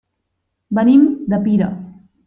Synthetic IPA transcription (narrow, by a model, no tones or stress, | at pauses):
bənimd̪əpiɾə̰